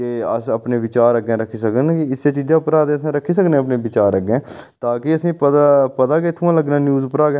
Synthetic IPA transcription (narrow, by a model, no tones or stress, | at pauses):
keəsəpneːʋɪt͡ʃaːɾəɡẽːɾəkʰiːs̬əknkɪɪsːeːt͡ʃiːd͡ʒãːpɾaːd̪eːəsãːɾəkʰːiːs̬əknẽːəpneːʋɪt͡ʃaːɾəɡẽːt̪aːkɪəsĩːpəapəd̪aːkeːt̪ʰʊãːləɡnãːnjuːzʊpɾaːɡe